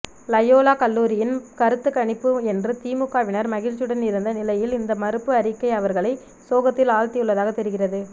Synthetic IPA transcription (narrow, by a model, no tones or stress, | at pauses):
lɐjoːlaːkɐlːuːɾɪjɪnkɐɾɯt̪ːɯkːɐɳɪpːɯɛndrɯt̪iːmɯkːaːʋɪnɐɾmɐɣɪlt͡ʃɯɽɐnɪɾɯnd̪ɐnɪlɐjɪlɪnd̪ɐmɐɾɯpːɯɐɾɪkːɐɪɐʋɐɾɣɐɭɐɪ | soːɣɐt̪ːɪlaːɻt̪ɪjɯɭːɐðaːɣɐt̪ːɛɾɯɣɪrɐðɯ